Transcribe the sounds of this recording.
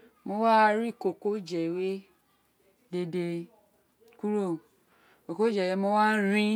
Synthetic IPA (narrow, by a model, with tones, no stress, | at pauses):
mo˧˦wa˦˧ɾi˦˨ko˨ko˦d͡ʒɛ˨we˦ | de˧de˧ | ku˦ɾo˦˨ | ko˨ko˦d͡ʒɛ˨we˦mo˦wa˦ɾĩ˦